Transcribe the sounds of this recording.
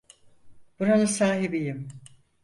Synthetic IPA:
b̥uɾanɯsaːɦibijim

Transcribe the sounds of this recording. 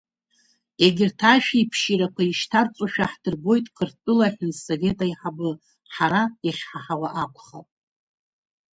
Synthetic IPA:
eɡʲɪrtʰaʃᶣaipʰʃiɾakʷʰaiʃtʰart͡sʷʼaʃᶣaħdɨrɡʷo̞jtʼkʰɨrtʼɨlaħɪnso̞vʲe̞tʼaiħabɨ | ħaɾaaχʲħaħawaʔakʷʰʼχa̰tʼ

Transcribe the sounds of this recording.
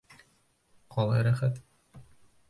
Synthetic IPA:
qʰɒlˠɑjɾæχæt̪

